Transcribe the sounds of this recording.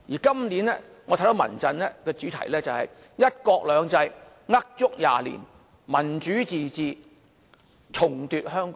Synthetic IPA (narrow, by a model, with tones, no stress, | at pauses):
jiː˨˩kɐ˥mni˨˥nɛː˥ŋɔ˨˧t̪ʰjd̪mɐ̰˨˩nt͡sɐ˧nlɛː˥kɛː˧t͡ʃyː˨˥t̪ʰɐ̰˨˩jlɛː˥t͡sɐ˨whɐ˨j | jɐ˥t̚kɔː˧k̚lœː˨˧ŋt͡sɐ˧j | ŋɐ˥k̚t͡sʊ˥k̚ja̰ː˨lḭː˨˩n | mɐ˨˩nt͡ʃyː˨˥t͡siː˨t͡siː˨˧ | t͡sʰʊ˨˩ŋt̪yː˨t̚hœː˥ŋkɔ˦